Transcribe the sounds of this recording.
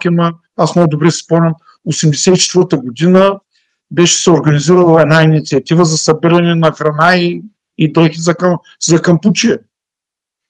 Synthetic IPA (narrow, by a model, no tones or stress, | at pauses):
kʲɛmɐ | asmɔd̪ʊbɾɛspɔnʲɐm | osɛmd̪ɛsɛit͡ʃɛ̥t̪vɤɾt̪əɡod̪inə | bɛʃɛ̥sɛoɾɡɐniziɾəlˠɐɛnainit̪siɐt̪ʲivəzɐsɐbiɾɐnɛnɐxɾɐnaiː | d̪ɛxʲizɐkɐm | zɐkɐmput͡ʃiɛ